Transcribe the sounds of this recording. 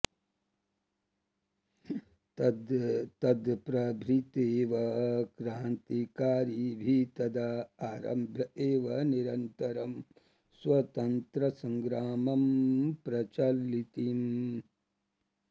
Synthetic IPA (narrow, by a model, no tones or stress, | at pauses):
d̪t̪ɐd̪pɾɐbʱɾit̪eːʋɐkɾaːnt̪ikaːɾibʱit̪ɐd̪aaːɾɐ̰mbʱjɐʔeːʋɐniɾɐnt̪ɐɾɐm | sʋɐt̪ɐnt̪ɾɐsɐŋɡɾaːmɐmpɾɐt͡ʃɐlːit̪im